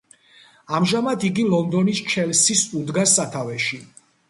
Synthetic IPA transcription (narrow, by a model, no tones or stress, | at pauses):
amʒamad̪ʰiɡilɔnd̪ɔnist͡ʃʰɛlsisud̪ɡasːat̪ʰavɛʃi